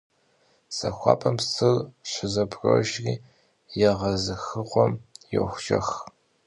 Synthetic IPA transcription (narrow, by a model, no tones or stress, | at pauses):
sɐxʷɑ̰ːpʰɐmsɨlɕʷɪzɐbro̰ʒriː | jɛʁɐzɨxɨqʷɔmjo̰xʷʒɐ̰x